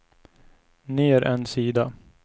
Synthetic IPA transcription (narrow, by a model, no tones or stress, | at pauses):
nɪæɾʔɛnsiːd̪a